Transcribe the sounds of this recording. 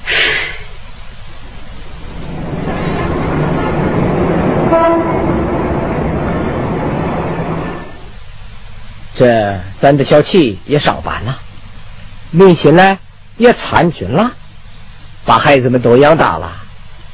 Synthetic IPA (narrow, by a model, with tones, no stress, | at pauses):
ʈ͡ʂɤ˥˧sa˥nd̪ə˨ɕjɑ˥ʊt͡ɕʰi˥˩jɛ˧˥ʂɑ̰˨˩ŋpa̰˨˧˥nlə˧ | li˥˩nt͡ɕʰɛ˧˥nla˧ɪ | jɛ˧˩t͡sʰa̰˧˥nt͡ɕʰy̰˧˥˦nlə˧ | pa˨˩xa˧˥ɪt͡sɹ̩˧˩mə˨˧nt̪̬o˧˥ʊjɑ˥ŋt̪a̰˨˩lə̰˧